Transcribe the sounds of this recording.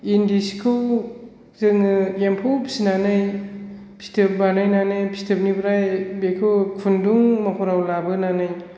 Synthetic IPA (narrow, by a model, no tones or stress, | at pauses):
indiskʰɯw | zɯŋɯempʰowpʰi̥sinanɯj | pʰi̥stʰep̚banajnanɯjpʰi̥stʰeb̚nibɾajbekʰɯwkʰunduŋmakʰɔɾawlabɯnanɯj